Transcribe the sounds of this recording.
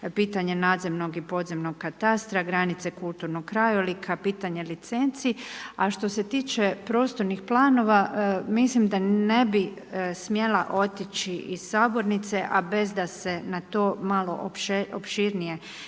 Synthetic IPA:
piːt̪aɲe̞naːd̪zemno̞ɡipo̞d̪zemnoɡkat̪ast̪ɾaɡɾanit̪sekulˠt̪uɾnoɡkːɾajolikʰapiːt̪aɲe̞lit̪se̞nt̪siaʃt̪o̞se̞t̪iːt͡ʃe̞pɾo̞ːst̪o̞ɾnixplˠaːno̞ʋamislimd̪ane̞bi | smje̞la̰ʔo̞t̪it͡ʃiʔiz̥saːbo̞ɾnit̪se̞ʔabe̞zd̪ase̞nat̪o̞ːmalo̞̰ʔʃeopʃiɾnije̞

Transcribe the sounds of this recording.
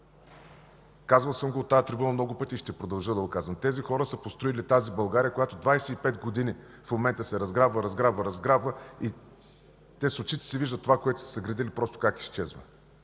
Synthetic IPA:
kazvɐlˠsəmɡoːt̪ːajət̪ɾibunəmnɔɡʊpət̪iʃt̪ɛpɾod̪ɐlˠʒɤd̪ɐɡokazvənt̪ɛzixɔɾəsəpost̪ɾoilit̪azibɐlˠɡaɾʲijəkojat̪od̪vajsɛipɛt̪ɡod̪ini | fmomɛnt̪əsɛɾɐzɡɾabvəɾɐzɡɾabvəɾɐzɡɾabvəi | t̪ɛsot͡ʃit̪ɛ̥siviʒd̪ət̪ːovakoɛt̪ʊ̥sɛ̥səɡɾɐd̪ilipɾɔst̪o̥kakist͡ʃɛzvə̰

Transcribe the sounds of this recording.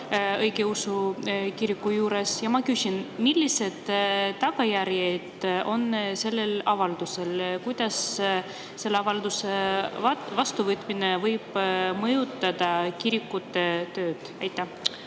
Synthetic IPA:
ɤjɡ̥e̞usukiɾikːˑujuːɾesjɑmɑkysʲinmilʲːise̞d̪̥t̪ːɑɡɑjæɾjed̪̥o̞nse̞lːe̞lɑvɑld̪̥use̞lkujd̪̥ɑs | se̞lːeɑvɑld̪̥useɑvɑst̪uvɤt̪ːˑminevɤjb̥mɤjut̪ːˑɑd̪̥ɑkiɾikːˑut̪ːet̪ːø̞ːd̪̥æjt̪ːˑæ

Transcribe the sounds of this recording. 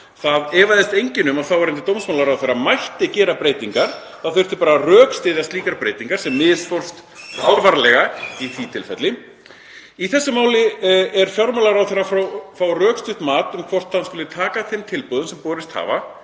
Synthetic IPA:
θaðɛːvajðɪst̪ejɲcɪnʏmawθawaɾɛnt̪ɪt̪owmsmawlaɾawθeɾamajht̪ɪcɛːɾapɾeːjt̪iŋkaɾ̥ | θawfɪr̥t̪ɪpaːɾarœːkst̪ɪðast̪liːkaɾpɾeːjt̪iŋkaɾ̥sɛmːɪðsfor̥st̪ | fɔɾvaɾalɛɣaiθit̪ʰɪlfɛt̪lɪ | iθɛsːʏmaːwlɪɛɾ̥fjɔɾmawlaɾawθejrafɾawfɾawrœːkst̪ʏht̪maːt̪ʏmkʰvɔr̥t̪hanskʏlðʏt̪ʰaːkaθɪmt̪ʰɪlpɔːðʏmsɛmpɔːɾɪst̪ha̰ːva

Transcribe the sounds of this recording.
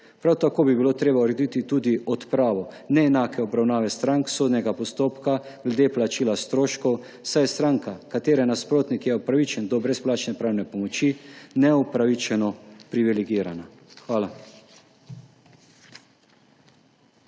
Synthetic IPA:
pɾawt̪akoːbibilot̪ɾeːbauɾɛd̪it̪it̪uːd̪iʔɔt̪pɾaːʋɔ | nɛːnaːkʰɛɔbɾawnaːʋɛst̪ɾaŋksoːd̪nɛɡapɔst̪oːpkaɡ̥lɛd̪eːplat͡ʃiːlast̪ɾoːʃkɔw | sajst̪ɾaːŋkakat̪eːɾɛnaspɾoːt̪nikjɛɔpɾaʋit͡ʃɛnd̪ɔbɾɛsplaːt͡ʃnɛpɾaːwnɛpɔmɔt͡ʃinɛɔpɾaʋit͡ʃɛnɔpɾiʋiliɡiːɾana | xʋaːla

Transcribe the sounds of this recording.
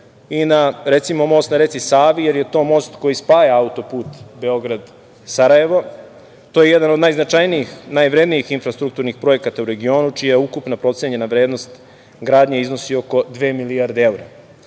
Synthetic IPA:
inaɾe̞t̪simo̞mo̞ːst̪naɾet̪sisaːʋijeɾje̞t̪o̞ːmo̞ːst̪ko̞jispaːjeaut̪o̞puːt̪beo̞ɡɾad̪ | saɾaje̞ʋo̞ | t̪ojejed̪anod̪najznat͡ʃajnijixnajʋɾe̞d̪nijixinfɾast̪ɾuk̚t̪uɾnixpɾo̞je̞kat̪auɾe̞ɡio̞ːnut͡ʃijajukupnapɾo̞t̪sjeɲenaʋɾeːd̪no̞st̪ | ɡɾaːd̪ɲeizno̞sio̞ko̞d̪ʋe̞ːmilijaɾd̪ee̞uɾa

